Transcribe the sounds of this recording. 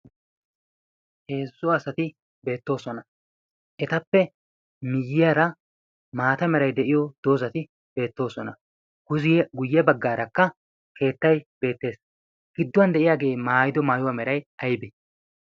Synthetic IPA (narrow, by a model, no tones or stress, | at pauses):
he̞ːzːʊɐsɐt̪ɪ | be̞ːt̪ːo̞ːsɔnɐ | ʔɛt̪ɐpːɛ | mɪjːɪjaːɾɐ | maːt̪ɐmɛɾɐjd̪ɛʔɪjɔd̪̥o̞ːzɐt̪ɪ | be̞ːt̪ːo̞ːsɔnɐ̰ | ɡ̥ʊzɡʊjːɛbɐɡːaːɾɐkːɐ | kʰe̞ːt̪ːɐjb̥e̞ːt̪ːe̞ːs | ɡ̥ɪd̪ːʊwɐnd̪ɛʔɪjaːɡe̞ːmaːjɪd̪ɔmaːjʊwamɛɾɐjʔɐjbɪ